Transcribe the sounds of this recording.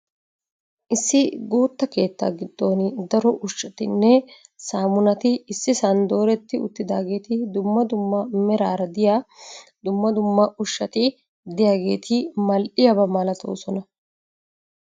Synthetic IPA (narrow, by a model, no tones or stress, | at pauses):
ʔɪsːɪɡuːt̪ːɐke̞ːt̪ːa̰ːɡɪd̪ːo̞ːnd̪ɐɾɔʔʊʃːɐt̪ɪnːɛsaːmʊnɐt̪ɪːsːɪsɐnd̪o̞ːɾɛt̪ːɪʊ̰t̪ːɪd̪aːɡe̞ːt̪ɪd̪ʊmːɐd̪ʊmːɐmɛɾaːɾɐd̪ɪjaːd̪ʊmːɐd̪ʊmːɐʔʊʃːɐt̪ɪ | d̪ɪjaːɡe̞̰ːt̪ʰɪmɐlʔɪjɐbɐmaːlɐt̪o̰ːsɔnɐ